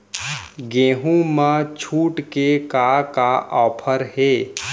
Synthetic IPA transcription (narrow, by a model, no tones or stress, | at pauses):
ɡẽːɦũmãt͡ʃʰuːʈkekakaʔɔːpʰəɾɦeː